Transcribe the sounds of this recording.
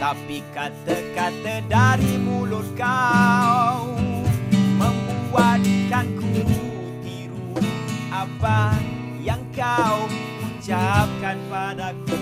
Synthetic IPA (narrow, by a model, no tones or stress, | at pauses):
t̪apikat̪əkat̪ədaɾimulʊt̪̚ka | w | məmbuwat̪kanku | t̪iɾuʔapa | jaŋkaw | ut͡ʃap̚kanpadaku